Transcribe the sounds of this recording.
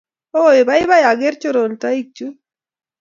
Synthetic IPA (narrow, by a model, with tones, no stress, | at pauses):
o˦e˨ba˦i˦βa˦ja˨ɡe˦ɾt͡ʃo˦ɾo˨nta˦i˦k̚t͡ʃu˦